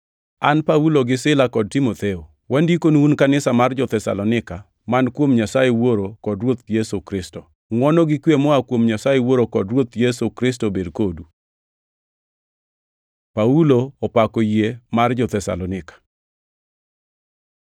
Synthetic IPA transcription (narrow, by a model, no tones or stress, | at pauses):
anpauloɡɪsɪlakɔd̚timot̪eo | wandikonunkanɪsamard͡ʒɔt̪ɛsa̰lɔnɪka | mankwomɲasajewoɾokɔdɾwot̪̚jesokɾɪstɔ | ŋwɔnɔɡɪkwemɔakwomɲasajewoɾokɔdrwot̪jesukɾɪs̬tobedkodu | pauloːpakɔjemard͡ʒɔt̪ɛsa̰lɔnɪkḁ